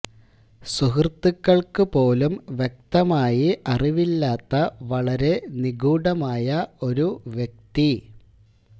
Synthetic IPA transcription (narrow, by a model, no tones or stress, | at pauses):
suɦrt̪ːukːɐɭkɨpo̞ːlumʋjek̚t̪ɐmaːjiʔɐriʋilːaːt̪ːɐʋɐɭɐɾe̞niɡuːɖɐmaːjɐo̞ɾuʋjek̚t̪i